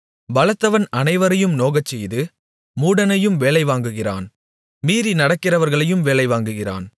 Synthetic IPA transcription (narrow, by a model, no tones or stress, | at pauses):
bɐlɐt̪ːɐʋɐnɐnɐɪʋɐɾɐjɯmnoːɣɐt͡ʃːɛjðɯ | muːɽɐnɐjɯmʋeːlɐɪʋaːŋɡɯɣɪra̰ːn | miːɾinɐɽɐkːɪrɐʋɐɾɣɐɭɐjɯmʋeːɭɐɪʋaːŋɡɯɣɪra̰ːn